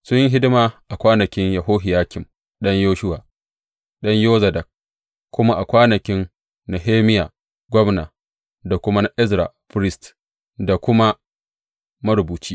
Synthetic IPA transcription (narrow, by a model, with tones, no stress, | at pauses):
sʊ˦jɪ˦ŋɦɪ˦dɪ˦ma˨ʔa˨kʷaː˦nɐ˨kʲɪ˦ɲjɐ˨ɦoː˦ɦɪ˨jaː˦kʲɪ˨m | ɗɐ˦ɲjoː˦ʃʊ˦waː˨ | ɗɐ˦ɲjoː˦zɐ˨dɐ˨k̚ | kʷːʊ˦ma˦ʔa˨kʷaː˦nɐ˨kʲɪ˦n | na˨ɦeː˦mɪ˦jaː˨ | ɡʷɔ˦mna˨ | da˨kʷʊ˦ma˦na˨ʔɪ˦zɾa̰˨ɸɪ˦ɾɪ˦st | da˨kʷʊ˦ma˦ | mɐ˦ɾʊ˨buː˨t͡ʃiː˦